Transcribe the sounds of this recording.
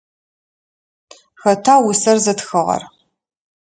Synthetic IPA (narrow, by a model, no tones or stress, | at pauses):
xɐtʰaːwʊsɐrzɐtxɨʁɐ̰r